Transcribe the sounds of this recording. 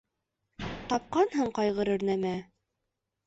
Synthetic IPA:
t̪ɑp̚qɑnɦɤɴqɑjʁɤɾɘ̆ɾnæmæ

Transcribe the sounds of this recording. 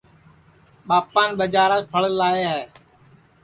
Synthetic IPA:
ɓaːpaːnɓəd͡ʒaːɾaːpʰəɭlaːeːɦɛː

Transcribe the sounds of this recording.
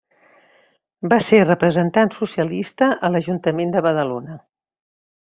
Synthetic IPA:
baserəpɾəzənt̪ansusiəlist̪əʔələʒunt̪əmend̪əβəðəlonə

